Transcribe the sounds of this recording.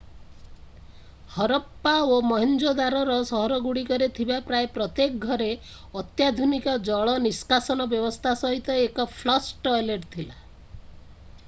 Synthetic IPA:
hɔɾɔpːaomɔɦind͡ʒod̪aɾɔɾɔsɔɦɔɾɔɡuɽikɔɾet̪ʰibapɾaepɾɔt̪jek̚ɡʱɔɾe | ɔt̪jad̪ʱunikɔd͡ʒɔɭɔniskasɔnɔbjɔbɔst̪ʰasɔɦit̪ɔekɔpʰlɔsʈɔleʈt̪ʰila

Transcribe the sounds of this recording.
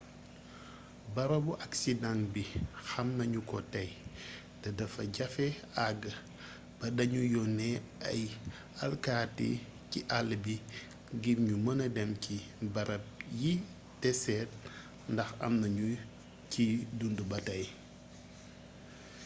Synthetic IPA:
bɐɾɐbuʔɐksidaŋkbixɐmnɐɲukɔ̰tɐj | tɐdɐfɐ̰ɟɐfɛaɡə | b̥ɐdɐɲujɔnɛɐ̰j | ɐlkaːtḭ | ciʔalːbi | ɡibɲumɐnɐdɛmcibɐɾɐp̚ji | tɛsɛːt̚ | ndɐxɐ̰mnɐɲu | cidundubɐtɐj

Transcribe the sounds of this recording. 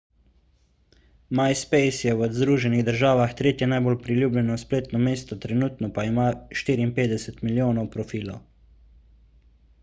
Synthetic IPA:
majspɛjsjɛwɔzd̪ɾuːʒɛniɣd̪əɾʒaːʋaxt̪ɾeːt̪jɛnajbolpɾilʲjuːblʲjɛnɔspleːt̪nɔmeːst̪ɔt̪ɾɛnuːt̪nɔpaimaʃt̪iːɾiːnpeːd̪ɛsɛt̪miljoːnɔwpɾɔfiːlɔw

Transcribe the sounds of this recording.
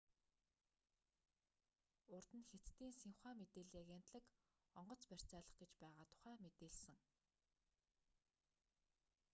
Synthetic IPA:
ʊrt̪ɘ̆nxet͡st̪iːnsiwχæːmet̪eːɮiːaɣen̥t̪ɮə̆k | ɔɴɢɞ̆t͡spær̥ʲt͡sæːɮə̆χɡet͡ɕpæːʁaːt̪ʰʊ̥χæːmet̪eːɮsɘ̆ŋ

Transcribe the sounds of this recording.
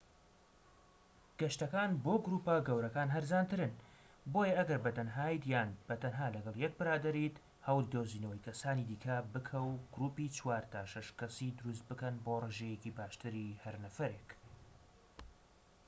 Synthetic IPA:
ɡ̥ɐʃt̪ɐkaːnboːɡɾuːpaɡɐwɾɐkaːnɦɐɾzaːnt̪ɨɾɨn | bojɐɐɡɐɾbɐt̪ɐnɦaːjt̪jaːnb̥ɐt̪ʰɐnɦaːlɐɡɐlˠjɛk̚bɨɾaːd̪ɐɾit̪ | hɐwlid̪ozinɐwɐjkʰɐsaːnid̪iːkʰɐbɨkʰɐwɡ̥ʊɾuːpit͡ʃʰwaːɾt̪ʰaːʃɐʃkɐsid̪ʊɾus̬t̪̚bɨkɐnboːreʒejecibaːʃt̪ɨɾihɐɾnɐfɐɾeːk

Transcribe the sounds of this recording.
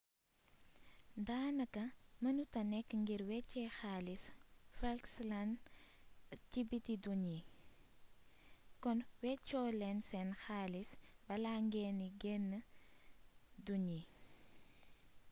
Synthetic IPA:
daːnɐkɐmɐnutɐnɛkːŋɡiɾwɛcːɛxalisfalkslan | cibitiduɲi | kɔnwɛcːɔːlɛnsɛnxaːlisbɐlaːŋɡɛniɡɛnːə | duɲi

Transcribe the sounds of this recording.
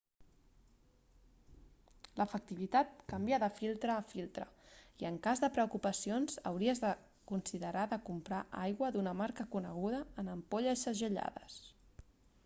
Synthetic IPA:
ləfək̚t̪iβ̞it̪at̪̚kəmbiaðəfilˠt̪ɾəːfilˠt̪ɾə̰iəŋkazðəpɾəukupəsionzə̰wɾiəzðə | kunsiðəɾaðəkumpɾaʔajɣwəðunəmaɾkəkunəɣ̞uð̞əːnəmpoʎəʃəʒəʎa̰ðə̰s

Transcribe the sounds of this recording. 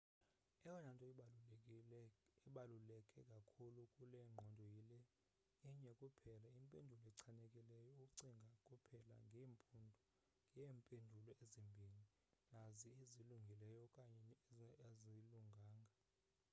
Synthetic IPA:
ɛjɔnantʼɔ | ɓalulɛkʼɛkʼakʰulukʼulɛŋ͡ǃʱɔndʱɔjilɛ | iɲɛkʼupʰɛlaimpʼendʱulɔɛǀʰanekʼilɛjɔuuǀiŋɡʱakʼupʰɛla̰ŋɡʱɛːmpʰʼundʱɔ | ŋʱjeːmpʼendʱulɔezimbʱili | nazieziluŋɡʱilɛjɔkʼaɲɛeziluŋɡʱaːŋɡʱa

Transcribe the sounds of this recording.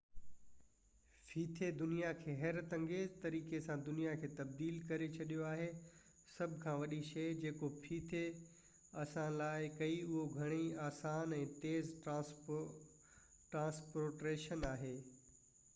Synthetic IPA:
fʰiːt̪ʰed̪ʊnijakʰeːɦɛɾt̪ɐ̃ŋɡet̪ɐɾiːkesãd̪ʊnijakʰeːt̪ɐb̚d̪iːlkɐɾet͡ɕʰɐɗijoaːɦe | sɐbʱkʰãːʋɐɗiʃeːd͡ʑeːkofʰiːt̪ʰe | ɐsãlaːɪkɐiʊɦoɡʱɐɽ̃iaːsaːnɛ̃ːt̪eːz | ʈɾãːspoːɾʈɾeːʃənaːɦeː

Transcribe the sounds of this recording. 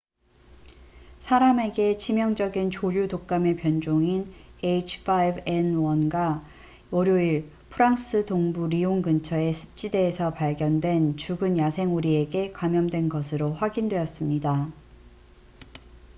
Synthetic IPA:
sʰaɾame̞ɡe̞t͡ɕʰimjʌŋd͡ʑʌɡint͡ɕoʎudok̚k͈ame̞pjʌnd͡ʑoŋinet͡ɕʰfʰajbe̞nwʌnɡwa | oɾjoiɭ | pʰɯɾaŋs͈ʰɯdoŋbuɾioŋɡɯnt͡ɕʰʌe̞sʰɯ̥p̚t͡ɕ͈ide̞ːsʰʌpaɭɡjʌndwe̞nt͡ɕuɡɯnjasʰe̞ŋuɾie̞ɡe̞kwamjʌmdwe̞nɡʌsʰɯɾoɸwaɡindwe̞jʌs͈ɯmɲida

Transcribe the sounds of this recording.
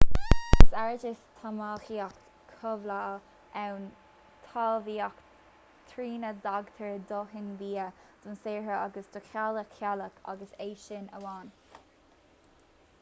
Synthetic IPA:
saɹd͡ʒɪst̪ʰamaːxiak | kʰʊvla | ɛwn | t̪ʰɑːlviːak | t̪ʰɾiːnəd̪aɡt̪ʰəɹd̪oːɦɪnviːəd̪̥ʊnseːɹəaɡəsd̪̥ʊxʰaləkʰːjaləkʰa̰ɡəseːʃɪnəwaːn

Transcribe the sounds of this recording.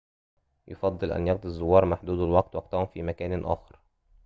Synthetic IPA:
jofɑd̪ˤːɨlʔæ̰njɑqd̪ˤizˤːowːɑːɾˤmaħd̪uːd̪ælwɑɡ̚t̪wɑɡ̚t̪æhʊmfiːmækæːnʔæ̰ːxɑɾ

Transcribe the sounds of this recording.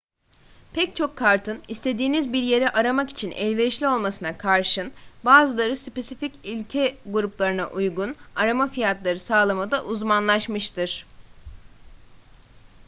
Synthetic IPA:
pʰɛct͡ʃʰo̞kʰːaɾt̪ʰɯnist̪ʰe̞d̪iːnizbiɾje̞ɾɛʔaɾamakit͡ʃʰinʔɛ̰lʲvɛʃlʲio̞lˠmasɯnakʰaɾʃɯnbaːzɯlˠaɾɯspe̞sificilʲcʰɛɡuɾuplˠaɾɯna̰ʔujɡunaɾamafijat̪lˠaɾɯsaːlˠamad̪aʔuzmanlˠaʃmɯʃt̪ʰɯɾ̥

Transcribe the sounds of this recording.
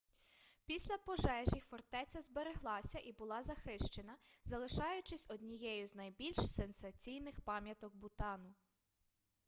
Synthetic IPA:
pʲisʲlʲɐpɔʒɛʒʲifɔrt̪ɛt͡sʲɐzbeɾeɦlˠɑsʲɐʔibʊlˠɑzɐxɪʃt͡ʃe̞nɐzɐlˠɪʃɑjʊt͡ʃɪsʲɔd̪ʲnʲijɛjʊznɐjbʲilʲʃsensɐt͡sʲijnɪxpɑmʲjɐt̪ɔk̚bʊt̪ɑnʊ

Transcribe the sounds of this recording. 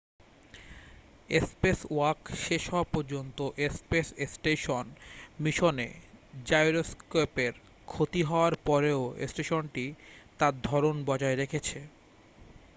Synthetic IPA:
espesoakʃeʃɦɔapoɾd͡ʑont̪oʔespesesʈeʃonmiʃonḛd͡ʑajɾoskopeɾ | kʰot̪iɦɔoaɾpɔɾeoḛsʈeʃonʈit̪aɾd̪ʱɔɾonbɔd͡ʑaeɾekʰet͡ɕʰe

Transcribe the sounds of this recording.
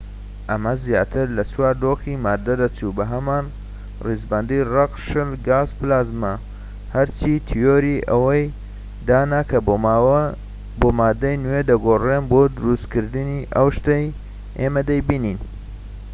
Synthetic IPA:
ʔɐmɐzjaːt̪ʰɨɾlɐt͡swaːɾd̪oximaːd̪ɐd̪ɐt͡ʃubɐɦɐmaːn | rizbɐnd̪irɑqʃɨlɡaːzplaːzma | hɐɾt͡ʃʰiːt̪ʰijoːɾiʔɐ̰wɐj | d̪aːnakʰɐ | boːmaːd̪ɐjnwed̪ɐɡoːrenboːd̪ʊɾust̪kɨɾd̪ɨniʔɐwʃt̪ɐj | ʔeːmɐd̪ɐjbiːnin

